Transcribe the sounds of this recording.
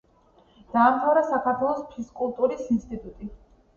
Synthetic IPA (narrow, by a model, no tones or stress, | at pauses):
d̪̥aːmt̪ʰavɾasakʰaɾt̪ʰwɛlˠɔspʰiskʼulˠt̪ʼuɾisinst̪ʼit̪ʼut̪ʼi